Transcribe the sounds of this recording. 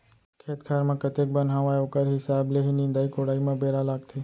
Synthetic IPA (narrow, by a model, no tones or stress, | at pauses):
kʰeːt̪kʰaːɾmãːkət̪ek̚bənɦaʋaːoːkəɾɦɪsaːbleɦinɪ̃ːnd̪aːikoːɽaːimãbeːɾaːlaːɡt̪ʰeː